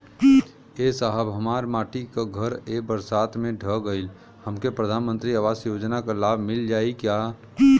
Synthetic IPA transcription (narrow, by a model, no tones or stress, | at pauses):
esaɦəbɦəmaːɾmaːʈikaɡʱəɾebəɾsaːt̪mẽɖʱəɡəɪl | həmkepɾəd̪ʱaːnmənt̪ɾiəʋaːsjoːd͡ʒnakalaːbʱmɪld͡ʒaːikjaː